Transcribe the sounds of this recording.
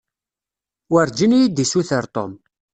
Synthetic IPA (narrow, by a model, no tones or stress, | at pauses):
wəɾd͡ʒinjid̪isuθəɾt̪ˤo̰m